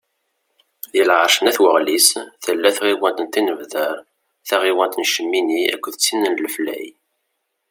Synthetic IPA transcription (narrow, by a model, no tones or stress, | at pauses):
ðilʕəɾʃənæθwəʁlisθəlːæθʁiwænt̪ənt̪inəvðəɾ | θæʁiwænt̪ənʃəmːiniæ̰kʷːəðət͡sːinːənləflæ̰j